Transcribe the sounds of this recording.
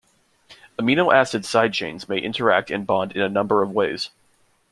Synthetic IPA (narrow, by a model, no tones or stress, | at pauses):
əmĩnlˠʔæsɨd̥saɪd̚t͡ʃʰḛ̃ɪ̃nzmeɪʔɪ̃ntʰə˞æk̚tʰɨ̃nbɑ̃ndɨ̃nɨnʌ̃mbə˞ʌvweɪz̥